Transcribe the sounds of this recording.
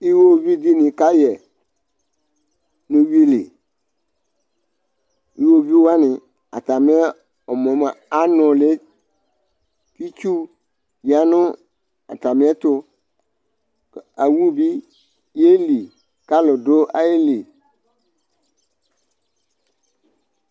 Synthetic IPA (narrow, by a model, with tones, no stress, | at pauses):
i˦wo˦vi˦di˦nɪ̃˨ka˦jɛ˨ | nʊ̃˨wi˦lɪ̰˨ | i˨wo˦vi˦wa˦nɪ̃˨ | a̰˨ta˨mɪ˦ɛ˦ | ɔ˨mɔ̃˨ma˨a˦nʊ̃˨lɪ˦ | ki˦t͡ʃu˦ | ja˨˦nʊ̃˦ | a̰˨ta˨mɪ̃˦ɛ˦tʊ˦ | a˨wu˦bi˦ | je˦li˨ | ka˦lʊ˨dʊ˦ʔa˦je˦li˨